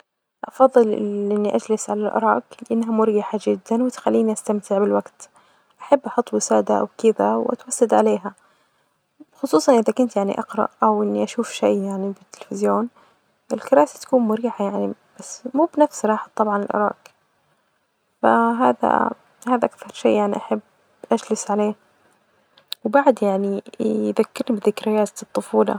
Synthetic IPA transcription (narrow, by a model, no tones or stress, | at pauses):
ʔɑfɑðˤːɨlʔʔɪnːiʔad͡ʒlɪsʕalalʔɑ̰ɾˤɑ̰ːklɪʔanːɦamʊɾiːħad͡ʒɪd̪ːanwɪt̪xalːiːniʔast̪amt̪ʰɪʕbɪlwaɡt̪ | ʔaħabːʔɑħʊt̪ˤːwɪsaːd̪aʔa̰wkɪðawʔa̰t̪wasːɪd̪ʕaleːɦa | xʊsˤuːsˤɑnʔɪðakʊnt̪jaʕnḭʔɑqɾˤɑ̰ʔʔawʔɪnːiʔaʃuːfʃejjaʕnibɪt̪ːɪlfɪzjoːn | ʔɪlkɑɾɑːsḁt̪ḁkuːnmʊɾiːħajaʕnib̥asːmuːbnafsɾˤɑːħɑt̪ˤːɑbʕɑnɪlʔɑ̰ɾˤɑ̰ːk | fa̰ɦaːða̰ | haːðaʔakθɑɾˤʃḛːjaʕnḭʔaħabː | ʔad͡ʒlʊsʕaleː | wbaʕd̪jaʕnijðakːɪɾnibɪðɪkɾɪjaːt̪ɨt̪ˤːʊfuːlɑ̰